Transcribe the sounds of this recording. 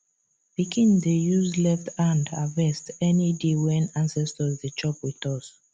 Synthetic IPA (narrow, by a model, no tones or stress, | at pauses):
b̥ikʰĩndejuzlɛftʰãndavɛstɛnidewɛ̃nãnsɛstɔzdet͡ʃɔpwiθɔs